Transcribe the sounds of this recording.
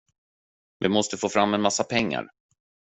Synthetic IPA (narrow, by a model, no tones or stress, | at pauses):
vɪmɔst̪əfoːfɾamːɛnmasːapʰɛŋːa̰ɾ